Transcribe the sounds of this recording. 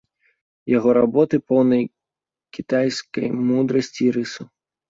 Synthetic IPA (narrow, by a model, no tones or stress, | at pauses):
jaɣɔɾabɔt̪ɨpɔwnɐj | kʲit̪ajskɐ̰jmud̪ɾɐsʲt͡sʲiɾɨsu